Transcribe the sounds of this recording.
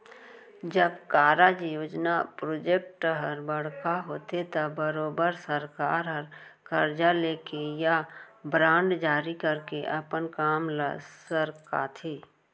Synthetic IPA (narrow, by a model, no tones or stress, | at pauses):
d͡ʒəbkaːɾad͡ʒjoːd͡ʒnapɾoːd͡ʒek̚ʈɦəɾbəɽ̤kaɦoːt̪et̪əbəɾoːbəɾsəɾkaːɾɦəɾkəɾd͡ʒaleːkejabɾãːɳɖd͡ʒaːɾikəɾkeʔɐpənkaːmlə̰səɾka̰ːt̪ʰeː